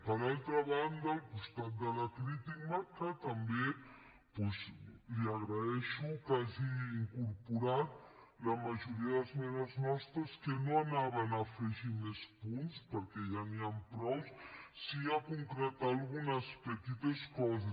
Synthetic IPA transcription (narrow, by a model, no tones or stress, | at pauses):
pəɾalˠt̪ɾaβand̪aːlkust̪at̪̚d̪əlakɾit̪ik̚maɾkat̪ambe | pɔzliaɣɾaɛʃukaziːŋkuɾpuɾat̪̚ | lamaʒuɾiəðəlzmɛnəznɔst̪ɾəskənoanaβənafeʒimespunspəɾkɛʒaniampɾɔwssiakuŋkɾət̪alɣunəspət̪it̪əskɔzə